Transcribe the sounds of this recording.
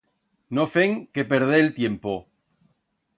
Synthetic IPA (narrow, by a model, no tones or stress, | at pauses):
nofeŋkepeɾð̞eːlt̪jempo